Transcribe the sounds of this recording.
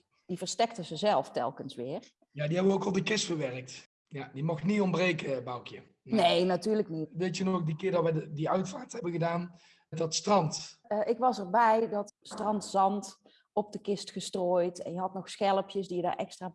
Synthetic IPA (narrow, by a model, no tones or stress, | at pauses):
divərstɛk̚təzəzɛlˠftɛ̰lˠkənsʋɪːr | jaːdiɦɛbəokɔlˠdəkɪstfəʋɛrək̚t | jadimɔxtniɔmbrejkəbɑwkjə | nejnatyːɹrləknitdetənɔxdikɪːɹdɑʋɛdiœɥtfaːɹtɛbəɣədaːn | dɑtstrɑntʔɪkʋɑsɛrbɛjdɑtstrɑntzɑnt | ɔp̚dəkɪstxəstroːjtɛ̰njəɦɑtnɔxsxɛlˠəpjəsdijəda̰rʔɛ̰kstraː